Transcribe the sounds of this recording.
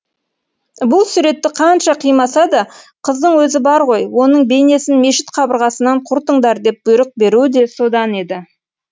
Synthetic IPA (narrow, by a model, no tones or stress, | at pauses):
bʊlˠsʊɾe̞t̪ːɪqʰɑnʃɑqʰijmɑsɑd̪ɑ | qʰəzd̪əɴwɵzɪbɑɾʁo̞jwo̞nəɴbe̞jne̞sɪnme̞ʃɪ̥t̪qʰɑbəɾʁɑsənɑɴqʰʊɾt̪əɴd̪ɑɾd̪e̞p̚b̥ʊjɾəq̚be̞ɾuɪd̪e̞so̞d̪ɑne̞d̪ɪ